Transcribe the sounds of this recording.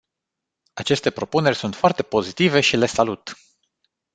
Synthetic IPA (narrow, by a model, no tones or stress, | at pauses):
at͡ʃe̞st̪e̞pɾo̞pune̞rʲsunt̪foart̪e̞po̞zit̪ive̞ʃile̞salut̪